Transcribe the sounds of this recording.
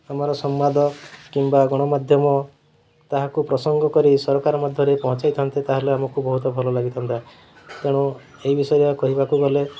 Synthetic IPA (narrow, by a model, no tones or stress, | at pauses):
amaɾɔsɔmːad̪ʱɔkimbaɡɔɽ̃ɔmad̪ʱjɔmɔ | t̪aɦakupɾɔsɔŋɡɔkɔɾisɔɾɔkaɾɔmad̪ʱjɔɾepɔɦɔ̃t͡ʃajt̪ʰɔnt̪it̪aɦeleamɔkubɔɦut̪ɔbʱɔlɔlaɡit̪ʰɔnt̪a | t̪eɽ̃u | eɦibisɔjakɔɦibakuɡɔle